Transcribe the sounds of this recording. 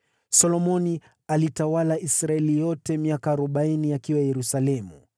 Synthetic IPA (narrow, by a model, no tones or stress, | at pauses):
sɔlɔmɔni | alitawalaisɾaɛlijɔtɛmiakaːɾɔɓainiakiwajɛɾusalɛmu